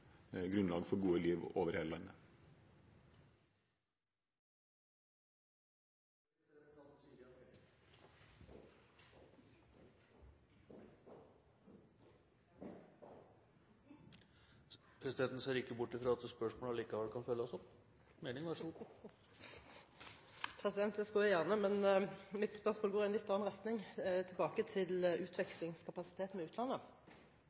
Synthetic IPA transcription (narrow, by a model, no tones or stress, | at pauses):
ɡɾʉnlɑːɡfɔɾɡuːəliːʋoːʋəɾheːləlɑnə | ɑsi | pʰɾɛsɪd̪ɛnt̪n̩seːɾɪkːəbʊʈːɪfɾɑɑt̪spœʂmoːləliːkɑʋɛlkʰɑnfœlːəɔsɔp | meːnɪŋʋæʂu | pʰʁɛsɪd̪ɛnt̪̚d̪ɛskɑjæjæʁnəmɛnmɪt̪spœʁsmoːlɡoːʁɪɛnlɪt̪ːɑːɑnʁɛt̪nɪŋt̪ʰɪlbɑːkət̪ʰɪlʉːt̪ʰʋɛkslɪŋskʰɑpɑsɪ̥t̪ʰeːt̪n̩mɛʉːt̪lɑnːə